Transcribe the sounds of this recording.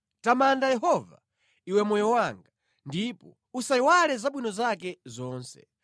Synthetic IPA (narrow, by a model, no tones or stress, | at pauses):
tamandajɛɦɔva̰ | iwɛmɔjɔwaŋɡa | ndipɔ | usaiwalɛzaɓwinɔzakɛzɔːnsɛ̰